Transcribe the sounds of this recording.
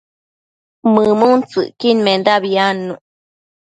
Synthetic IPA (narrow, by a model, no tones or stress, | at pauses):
mɨmunt͡sɨ̰ʔkinmend̪abianːu